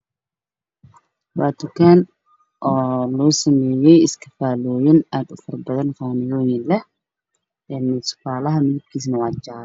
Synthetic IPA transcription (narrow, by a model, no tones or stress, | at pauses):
wɑːt̪ʰʊkʰaːn | ʔɔːlɔːsɐmɛːjɛjɪskʰɐfaːlɔːjɐnaːd̪ʊfɐrbɐðɐnfɔːnɪjɔːjɪnlɛh | ɛːnsʊ̥faːlɐɦɐmɪðɪb̚kʰiːs̬nɐwɑːt͡ʃaːɾ